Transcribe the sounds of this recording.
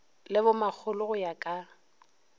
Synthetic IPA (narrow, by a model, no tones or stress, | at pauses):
lɪbʊmak͡xʰʊlʊɣʊjakʼa